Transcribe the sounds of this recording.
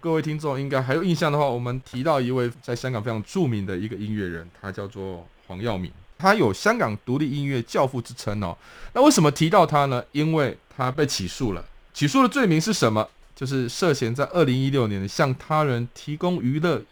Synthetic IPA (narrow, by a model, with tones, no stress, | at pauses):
kɤ˥˧we˥˩ɪt̪ʰi˥ŋʈ͡ʂo˥˨ŋi˦˥ŋka˥ɪxa˧˥jo˨˩ʊi˥˧nɕjɑ˥˩ŋd̪ə˩xwa˥˩wɔ˨˩mə˦nt̪ʰi˧˥t̪ɑ˥˧ʊi˧˥we˥˩ɪt͡sa˥˩ɪɕjɑ˥ŋkɑ˨˩ŋfe˥ɑ˧˥ŋʈ͡ʂu˥˨mi˧˥ŋd̪ə˨i˧˥ɡə˨i˦˥nɥɛ˥˩ɻə̰˧˦nt̪ʰa˦t͡ɕjɑ˥˧ʊt͡swɔ˥˨˩ | xwɑ̰˧˥ŋjɑ˥˨ʊmḭ˨˩nt̪ʰa˥jo˨˩ʊɕjɑ˥ŋkɑ˨˩ŋt̪u˧˦˥li˥˩i˦˥nɥɛ˥˧t͡ɕjɑ˥˧ʊfu˥˩ʈ͡ʂɻ̩˥t͡sʰə˦˥ŋə̰˨˦na˥˧we˥˩ʂə˨˩mə˦t̪ʰi˧˥t̪ɑ˥˩ʊt̪ʰa˥nə˨i˦˥nwe˥˩ɪt̪ʰa˦pe˥˩ɪt͡ɕʰi˨˩ʂu˥˩lə̰˩t͡ɕʰi˨˩ʂu˥˩d̪ə˩t͡swe˥˩ɪmi˧˥ŋʂɻ̩˥˩ʂə˧˦˥nmə˧ | t͡ɕjo˥˧ʊʂ̬ɻ̩˥˧ʂɤ˥˨ɕjɛ˧˥nt͡sa˥˧ɪʔə˥˩li˧˦ŋi˦˥ljo˥˩ʊnjɛ˧˦nɕjɑ˥˩ŋt̪ʰa˥ɻə˧˥nt̪ʰi˧˥kʊ˥ŋy˧˥lə˥˩